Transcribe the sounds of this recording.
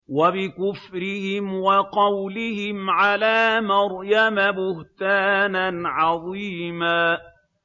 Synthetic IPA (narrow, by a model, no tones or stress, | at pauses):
wabɪkʊfɾɪhɪmwɑqɑwlɪhɪmʕalaːmɑɾˤjamabʊht̪aːnanʕɑðˤiːmaː